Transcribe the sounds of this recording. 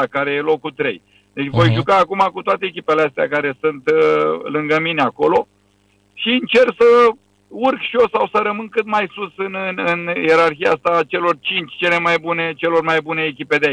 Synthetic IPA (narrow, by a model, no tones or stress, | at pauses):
akaɾe̞jelo̞kut̪ɾe̞̰j | d̪et͡ʃvo̞jʒukaːkumakut̪oat̪e̞ːkʲipe̞least̪eakaɾe̞sɨnt̪lɨŋɡəmineako̞lo̞ | ʃiɨnt͡ʃe̞rksə | urkʃio̞sawsəɾəmɨnkɨt̪majsusɨnɨɨnje̞ɾarxijaast̪at͡ʃe̞lo̞rt͡ʃint͡ʃʲt͡ʃe̞le̞majbune̞t͡ʃe̞lo̞rmajbune̞ːkʲipe̞d̪ea